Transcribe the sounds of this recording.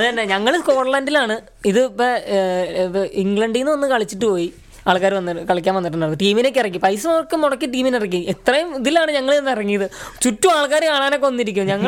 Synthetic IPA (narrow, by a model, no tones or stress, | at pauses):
ɐðɨɐnːeɲɐŋːɐɭko̞ːɽɐlaːndilaːɳɨ | iðɨpːɐ | iŋɡɭɐɳɖijnːɨʋɐnːɨkɐɭit͡ɕːiʈːɨpo̞ːji | aːɭkːaːɾʋɐnːɐkɐɭikʲːaːnʋɐnːiʈːɨnːɐɐðɨʈiːmine̞ːk̬ʲːirɐkːipɐjsumɐʋɐrkːɨmoɽɐkːiʈiːminirɐkːiet̪rɐjumiðilaːɳɨɲɐŋːɐɭeenːirɐŋːijɐðɨt͡ɕutːuaːɭkaːɾkaːɳaːneːk̬ːo̞nːiɾikʲːumɲɐŋːɐ